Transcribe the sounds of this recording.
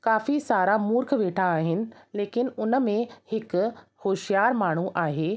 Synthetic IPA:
kaːfisaːɾamʊɾkʰʋeːʈʰaːɦɪnɪ̆leːkɪnɪ̆ʊnə̆mẽhɪk̆hoːʃijaːɾmaːɳ̤uʔaːɦeː

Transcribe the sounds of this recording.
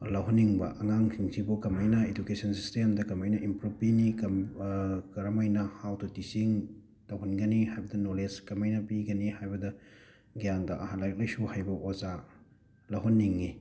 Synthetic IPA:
lɐwɦunːiŋbɐ̰ʔɐŋaŋkʰiŋsʰibukɐmɐjnɐed͡ʒukesɐnsi̥stemdɐkɐmɐjnɐʔimpɾupinikɐ | kɐɾɐmɐjnɐhawtʰutisiŋ | tɐwɦunɡɐnihajbɐdɐnoleskɐmɐjnɐpiɡɐnihajbɐdɐ | ɡijaŋdɐʔɐhanlajk̚lɐjsuhajbɐʔoza | lɐwɦunːiŋːi

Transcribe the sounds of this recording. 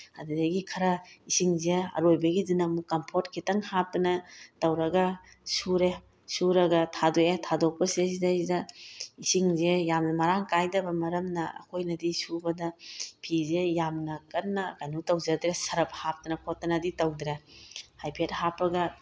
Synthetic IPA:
ɐdudɐɡikʰɐɾɐisiŋzeɐ̰ɾojbɐɡidinɐmukːɐmpʰoɾt̚kʰitɐŋhap̚tɐnɐtɐwɾɐɡɐ | suɾe | suɾɐɡɐtʰadoetʰadok̚pɐsesidazidɐisiŋzejamnɐmɐɾaŋkajdɐbɐmɐɾɐmnɐɐ̰kʰojnɐdisubɐdɐpʰizejamnɐkɐnːɐkajnutɐwzɐdɾesɐɾɐp̚hap̚tɐnɐkʰotːɐnɐditɐwdɾehajpʰet̚hapːɐɡɐ

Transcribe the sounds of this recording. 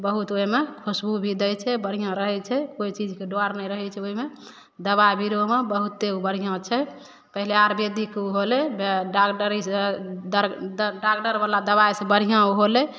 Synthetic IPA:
bəɦut̪oimekʰusbubʱid̪ɛjt͡ʃʰɛbəɽ̤ijãɾəɦɛt͡ʃʰɛkoit͡ʃid͡ʒkeɖoaɾnɛjɾəɦɛt͡ʃʰɛoime | d̪əβabiɾoɦmebəɦut̪ːeubəɾ̤ijãt͡ʃʰɛ | pəɦileaɾbed̪ikuɦolebɖakʈəɾised̪ɖakʈəɾbalad̪əβajsebəɽ̤ijãuɦole

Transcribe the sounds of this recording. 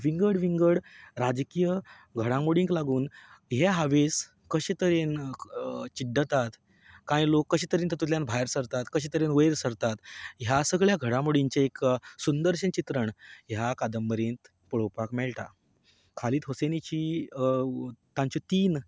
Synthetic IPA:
ʋiŋɡəɽʋiŋɡəɽɾad͡zkijə | ɡʱəɽamuɽĩŋklaɡuːnɦeɦaʋes | kəɕet̪əɾen | t͡ɕiɖət̪at̪ | kãjĩlokːəɕit̪əɾint̪ət̪ut̪ljanbʱajɾsəɾt̪at̪kəɕ̬it̪əɾenʋəjɾsəɾt̪at̪ɦjasəɡɭjaɡʱəɽãmoɽiɲt͡ɕaeksund̪əɾɕənt͡ɕit̪ɾəɳɦjakad̪əmbəɾẽnt̪ | pəɭ̤owpakmɛɭʈa̰ | kʰaliːt̪ɦosenit͡ɕiː | t̪ãɲt͡ɕɔt̪iːn

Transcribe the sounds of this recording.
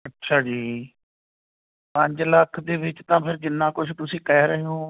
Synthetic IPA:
ətːʃʰaːd͡ʒiː | pə̃ɲd͡ʒləkʰd̪eːʋɪt͡ʃt̪ãːpʰɪɾd͡ʒɪnːãːkʊt͡ʃʰt̪ʊsĩːkɛːɾəɦeɦõː

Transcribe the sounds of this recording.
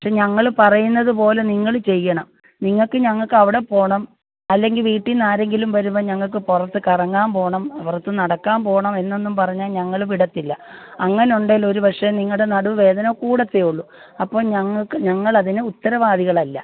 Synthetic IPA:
pɐkʂe̞ɲɐŋːɐɭpɐrɐjunːɐðɨpo̞ːle̞niŋːɐɭt͡ɕe̞jːɐɳɐm | niŋːɐɭkːɨɲɐŋːɐɭkɨɐʋiɽe̞po̞ːɳɐm | ɐlːe̞ŋɡilʋiːʈːinaːɾe̞ŋɡilumʋɐɾumːɐɲɐŋːɐɭk̬ːɨpurɐt̪ːɨkɐrɐŋːaːmpo̞ːɳɐmpurɐt̪ːɨnɐɽɐkːaːmpo̞ːɳɐme̞nːe̞nːumpɐrɐɲːaːlɲɐŋːɐɭʋiɽɐt̪ːilːɐɐŋːɐneuɳɖilo̞ɾubɐkʂeniŋːɐɭɽenɐɽuʋe̞ːd̪ɐnɐkuːɽɐt̪ːejuɭːu | ɐpːo̞ːɭɲɐŋːɐɭkɨɲɐŋːɐɭɐðinɨut̪ːɐɾɐʋaːðiɣɐɭɐlːɐ

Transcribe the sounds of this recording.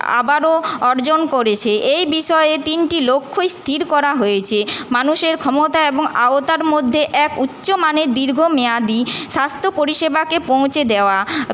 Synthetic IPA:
a̰baɾoɔɾd͡ʑonkoɾet͡ɕʰeʔejbiʃɔeet̪inʈilokʰːojst̪ʰiɾkɔɾaɦojet͡ɕʰemanuʃeɾkʰɔmot̪aeboŋa̰ot̪aɾmod̪ʱːeʔɛkutːɕomaned̪iɾɡʱomead̪iʃast̪ʰopoɾiʃebakepow̃t͡ɕed̪eoa

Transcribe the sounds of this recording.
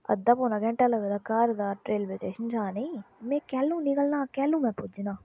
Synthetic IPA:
ɐ̰d̪ːaːpoːnaɡɛ̃ɳʈaːləɡd̪aːkaːɾd̪aːʈɾeːlbet̪eːʃənd͡ʒaːnemɛ̃ːkɛːlːũːnɪkəlnãːkɛːlũːmɛ̃ːpʊd͡ʒnaː

